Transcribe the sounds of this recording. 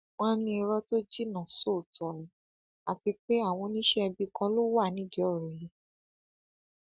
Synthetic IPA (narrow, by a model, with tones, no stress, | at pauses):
wã˦nĩ˧i˧ɾɔ˦to˦d͡ʒi˦nã˨so˦˨tɔ˨ĩ˨ | a˨ti˧k͡pe˦a˦˨w̃ɔ̃˧nĩ˦ʃɛ˦ɛ˧bi˧kã˧lo˦wa˦˨nĩ˨˦di˦ɔ˦˨ɾu˨ji˨˦